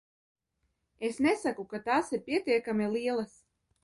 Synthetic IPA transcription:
esnɛsakukat̪aːsiɾpʲiɛt̪iɛkamʲɛlˠiɛlˠas

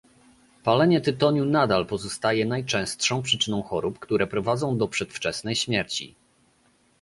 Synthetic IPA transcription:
palɛɲɛt̪ɘt̪ɔɲunad̪alpɔzɔst̪ajɛnajt͡ʂɛ̃w̃st̪ʂɔ̃w̃pʂɘt͡ʂɘnɔ̃w̃xɔɾupkt̪uɾɛpɾɔvad̪zɔ̃w̃d̪ɔpʂɛt̪ft͡ʂɛsnɛjɕmʲjɛɾt͡ɕḭ

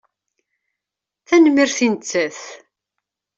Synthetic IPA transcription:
θænmiɾθinət͡sːæθ

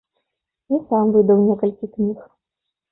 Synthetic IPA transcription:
isamvɨd̪ɐwnʲɛkɐlʲkʲiknʲix

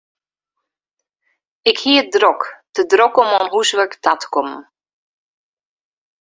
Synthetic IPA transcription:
ɪkhiədrɔkdədrɔkɔmɔnɦusʋəktatkɔm

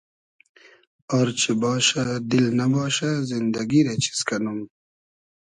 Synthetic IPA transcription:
ɔɾt͡ʃʰibɑːʃad̪ilnabɑːʃazind̪aɡiɾet͡ʃʰi̥skanum

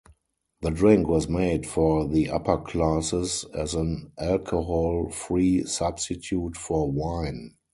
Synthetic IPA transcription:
ðədɹɪ̃ŋkʰwɔzmeɪdfɔðiʔa̰pʰə˞kʰlasɪsɛzə̃nʔælkʰohɔlfɹiːsabstɪtʰjuːtfɔwãɪ̃n

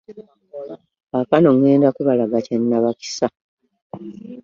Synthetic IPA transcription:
akano̞ŋweːndakuβalaɡacenːaβaki̥sa

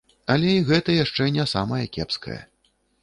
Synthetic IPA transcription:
ɐlʲɛiɣɛt̪ɐjaʂt͡ʂɛnʲɛsamɐjɐkʲɛ̰pskɐ̰jɐ̰

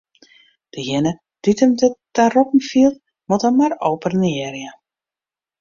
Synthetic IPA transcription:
d̥əjɪnə | d̥itəmdətarɔpn̩filˠt | motəmːaroːpərnɪərjə

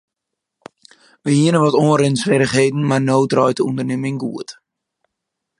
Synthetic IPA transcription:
ʋəhiənəʋɔtoːrɪnsfɛɾəχɦejdn̩marnoːtrɔjtəundərnɪmɪŋɡṵət

